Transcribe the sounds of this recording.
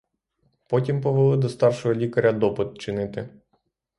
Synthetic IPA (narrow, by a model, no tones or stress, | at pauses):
pɔtʲimpɔʋelˠɪd̪ɔst̪ɑrʃɔɦɔlʲikɐɾʲɐd̪ɔpɪt̪̚t͡ʃɪnɪt̪ɪ